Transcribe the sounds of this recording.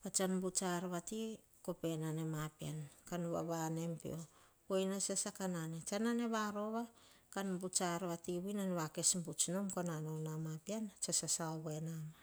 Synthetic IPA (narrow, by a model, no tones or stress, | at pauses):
βat͡ʃanbut͡ʃaɾβati | ko̞pe̞nane̞mapiankanuβa̰βane̞mpḭo̞ | ojnasesakananet͡ʃanane̞βaɾo̞βa | kanbut͡ʃaɾβatiβuinanβake̞smbut͡ʃnomkonanonamapiant͡ʃasasaoβe̞nana